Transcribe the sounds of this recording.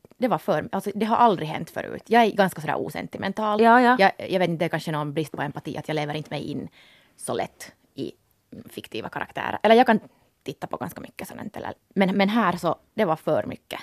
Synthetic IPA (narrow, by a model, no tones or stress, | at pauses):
d̪ɛʋɑfœɾʔalt̪sɔd̪ɛɦaɾʔɑld̪ɾɪɦɛ̰nt̪ːfœ̰ɾʔʉ̟̰ːt̪jɑːɡæɾɡɑnskasɔd̪æ̰ːɾʔṵːsɛ̰nt̪ɪmɛnt̪ʰɑːljɑːjɑjɑɡʋeːt̪ɪnd̪ɛkanʂənoːnbɾɪst̪̚pʰɔɛmpat̪ḭːʔɑt̪jɑːɡleːʋəɾɪnt̪əmɛ̰jɪ̰nː | sɔlʔɛ̰t̪ː | ɪ̰ | fɪkt̪ʰiːʋɑ̰kʰaɾʔa̰kt̪ʰæ̰ːɾə̰ɾʔɛlːəɾjɑɡkʰan | t̪ʰɪt̪ːɑpʰɔɡa̰nskamʏkːəsɛ̰nɛ̰nt̪ʰɛ̰lːə̰ | mɛnmɛnɦæːɾsɔd̪ɛvɑfœɾmʏ̰kːə